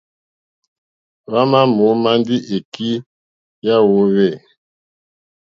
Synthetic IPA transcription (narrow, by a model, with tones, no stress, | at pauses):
βa˦ma˦mo˨˦ma˦ndi˦ʔe˨ki˦ | ja˦wo˦βɛ˦˨